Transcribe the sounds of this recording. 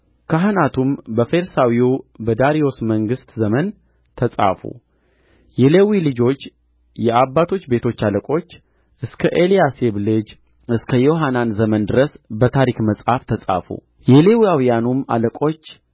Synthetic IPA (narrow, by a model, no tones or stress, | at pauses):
kʰəɦɨnat̪ʰumbəfe̞ɾsawiubəd̪aɾijo̞sməŋɡɨst̪zəmən | t̪ʰəsʼa̰fṵ | jɛlewilɨd͡ʒo̞t͡ʃː | jɛabːat̪ʰo̞t͡ʃːbe̞t̪ʰo̞t͡ʃːaləkʼo̞t͡ʃː | ʔɨskʰəʔe̞lijase̞βlɨd͡ʒ | ɨskʰəjo̞ɦananzəmənd̪ɨɾəsbət̪ʰaɾikməsʼhaft̪ʰəsʼa̰fṵ | jɛle̞wiawijanuma̰ləkʼo̞t͡ʃː